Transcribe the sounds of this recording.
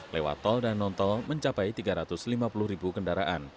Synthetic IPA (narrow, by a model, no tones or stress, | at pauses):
lewa̰t̪ɔldanːɔnt̪ɔlməɲt͡ʃapajt̪iɡaɾat̪ʊslimapulʊhɾibukəndaɾaʔan